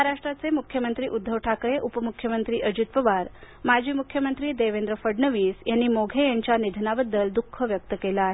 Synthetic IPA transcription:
aɾaʂʈɾat͡semukʰjəmənt̪ɾiːʔud̪ʱːəʋʈʰakɾeʔupəmukʰːjəmənt̪ɾiːʔəd͡ʑut̪̚pəʋaɾ | mad͡ʑʱiːmukʰjəmənt̪ɾiːd̪eʋẽnd̪ɾəfəɖnəʋiːsjanːiːmoɡʱejaɲt͡ɕanid̪ʱnabəd̪ːəld̪ukʰːəʋjək̚t̪əkelaːɦe

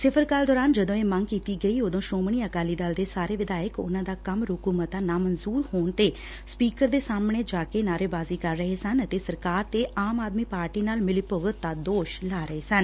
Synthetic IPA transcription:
sɪpʰəɾkaːld̪ɔːɾaːnd͡ʒəd̪õːeːməŋɡkiːt̪iːɡəiːoːd̪õːʃoːmɳiːəkaːliːd̪əld̪eːsaːɾeːʋɪd̪aːɪkʊ̰nãːd̪aːkəmɾʊkuːmət̪aːnaːmənzuːɾhoːɳt̪eː | spiːkəɾd̪eːsaːmɳeːd͡ʒaːkeːnaːɾeːbaːziːkəɾːəɦeːsənət̪eːsəɾkaːɾt̪eːʔaːmaːd̪miːpaːɾʈiːnaːlmɪliːpʊɡət̪̚d̪aːd̪oːʃlaːɾəɦeːsən

